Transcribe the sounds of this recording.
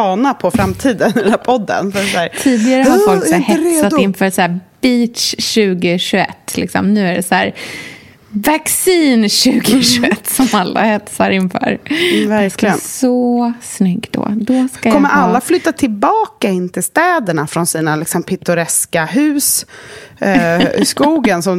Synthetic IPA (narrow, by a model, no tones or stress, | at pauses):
ɑːnapʰɔfɾamt̪ʰiːd̪ənhɛlapʰɔd̪ːə̰nfəsæːɾt̪ʰiːd̪ɪɡaɾəhaɾfɔlksɛhɛssat̪ɪnfœːsæːb̥iːt̪sɕʉ̟ːɡɪɕʉɛ̰t̪ːlɪ̰ksɔ̰mnʉ̟ːæɖɛsæːɾ | vaksiːnɕʉ̟ːɡɪʃʉɛt̪ːsɔmalːa̰hɛt̪saɾɪnfœ̰ːɾvæɾklsɔsnʏɡːd̪ɔ̰d̪ɔskakɔmːəɾʔalːaflʏt̪ːat̪ʰɪlbɑːkaɪnt̪ʰɪlst̪ɛːd̪əɳafɾɔnsiːnalɪksɔmpʰɪt̪ːʊɾɛskaɦʉ̟ːs | skuːɡənsɔm